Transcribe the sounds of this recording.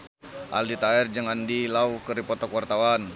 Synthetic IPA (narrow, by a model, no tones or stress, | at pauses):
ʔa̰ldit̪aɛrd͡ʒəŋandilaukəɾipɔt̪ɔkwart̪awan